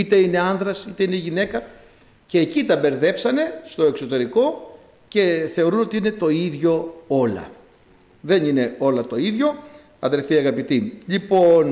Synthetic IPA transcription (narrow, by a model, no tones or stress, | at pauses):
it̪e̞ine̞ɐnðɾɐsit̪e̞ineʝine̞kɐ | ce̞ːcit̪ɐbe̞ɾðe̞psɐne̞st̪o̞e̞kso̞t̪e̞ɾiko̞ | ce̞θe̞o̞ɾuno̞t̪iine̞t̪o̞iðʝo̞o̞lɐ̰ | ðe̞nine̞o̞lɐt̪o̞iðʝo̞ | ɐðe̞lfiɐɣɐpit̪iʎipo̞n